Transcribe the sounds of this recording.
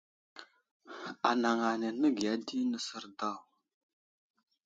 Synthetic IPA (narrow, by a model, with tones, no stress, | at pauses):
a˨na˨ŋa˨ne˨nə˦ɡi˨a˦di˦nə˨sə˦ɾda˦˨w